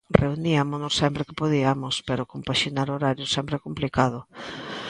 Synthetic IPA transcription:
rʔeuniamonosːɛmpɾekɪpoðiamospeɾokompaʃinaɾoɾaɾjʊsɛmpɾeɛkomplikað̞ʊ

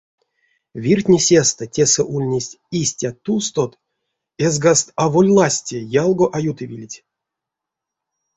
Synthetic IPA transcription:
vʲirtʲnʲisʲest̪ətʲesɛʔulʲnʲesʲtʲisʲtʲat̪ːust̪ot̪ | ezɡast̪avolʲlˠasʲtʲejalˠɡoʔajut̪ɨvʲilʲtʲ

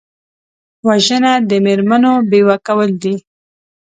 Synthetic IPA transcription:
waʒənad̪əmeɾmanobewakawəld̪i

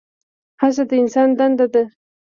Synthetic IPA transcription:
has̬ad̪əɪnsɑnd̪and̪ad̪ə

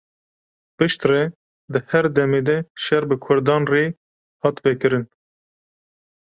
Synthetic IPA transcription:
pɨʃt̪rɛ | d̪ɨhɛɾd̪ɛmeːd̪ɛʃɛɾbɨkʰʊɾd̪ɑːnreː | hɑːt̪vɛkɨɾɨn

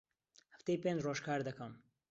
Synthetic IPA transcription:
hə̥ft̪ejpẽːnd͡ʒroːʃkʰaːɾd̪ɐkʰɐm

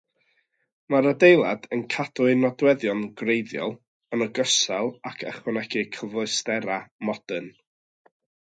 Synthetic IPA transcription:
maɾədejlˠadənkʰad̥ʊɨnɔdwɛðjɔnɡrejðjɔ̰lˠ | ənəɡəsɛlˠakʰə̰χwənɛɡɨkʰəvʊɨstɛɾamɔd̥ən

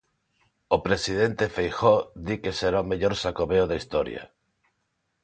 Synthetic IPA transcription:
opɾesið̞ent̪efejxoðikeseɾaomeʎoɾsakoβeoðaist̪oɾj̰a̰

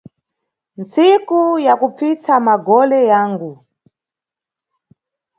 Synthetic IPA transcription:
nt͡sikujakupʰit͡sʰamaɡɔlɛjaːŋɡu

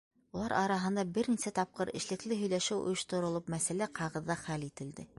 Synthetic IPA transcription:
ulˠɑɾʔɑɾɑɦɤ̆nd̪ɑbɘɾnisæt̪ɑp̚qɤɾɘ̰̆ʃlɘ̆klɘɦɵ̆jlæʃɘwʔŏ̰jŏʃt̪ŏɾŏlˠɤpmæsælæqʰɑʁɤ̆ðːɑχælit̪ɘ̆ld̪ɘ

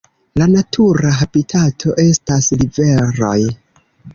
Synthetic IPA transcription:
lanatʰuɾaɦabitʰatʰo̞ʔe̞staslive̞ɾo̰j

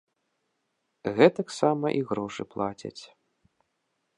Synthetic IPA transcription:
ɣɛt̪ɐksamɐʔiɣɾɔʂɨplˠat͡sʲɐ̰t͡sʲ

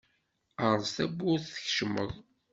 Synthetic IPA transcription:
əɾˤsθæbʊθθə̥çʃmə̰ðˤ

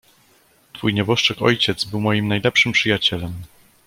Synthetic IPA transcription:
t̪fujɲɛbɔʂt͡ʂɛkɔ̰jt͡ɕɛt̪zbɘwmɔjimnajlɛpʂɘmpʂɘjat͡ɕɛlɛm

